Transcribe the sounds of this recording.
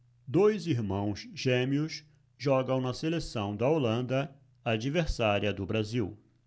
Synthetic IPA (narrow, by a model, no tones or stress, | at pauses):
d̪ojziɾmɐ̃w̃sʒẽmiʊs | ʒɔɡɐ̃w̃nɐselesɐ̃w̃d̪ɐolɐ̃nd̪ɐ | ad͡ʒiveɾsaɾiɐd̪ʊbɾaziw